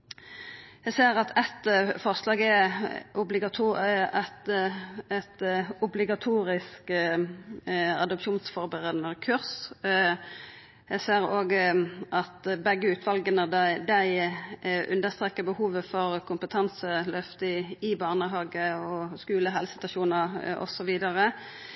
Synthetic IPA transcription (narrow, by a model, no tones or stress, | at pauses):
jæseːʁɑt̪ʰɛt̪fɔʁslɑːɡɛʔʊblɪɡɑt̪ʰuɛt̪ | ɛt̪ʊblɪɡɑt̪ʰuːɾɪsk | ɑ̰d̪ɔpʃuːnsfɔʁbəʁəd̪nəʁkʰʉʁs | jæseːʁoːɡʔɑt̪bɛɡːəʉːt̪ʰʋɑlɡənəd̪æɪ | ʔʉ̰nd̪əst̪ʁeːkːəbəhuːʋəfɔʁkʰʊmpət̪ʰɑnsəlœft̪ɪɪbɑːʁnəɦɑːɡəɔskʉːləɦɛlsɪt̪ɑʃuːnəʁɔ̰sɔʋiːd̪ɑɾə